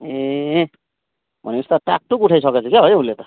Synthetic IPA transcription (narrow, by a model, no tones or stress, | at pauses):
e | bʱʌ̰niust̪aʈa̰k̚ʈukuʈʰajsʌket͡sʰukjaɦʌjulet̪ʌ